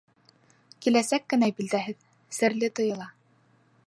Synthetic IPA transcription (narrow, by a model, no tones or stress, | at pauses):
kilæsækːɘ̆næbild̪æɦɘð | sɘ̆ɾlɘt̪ŏjɤ̆lˠɑ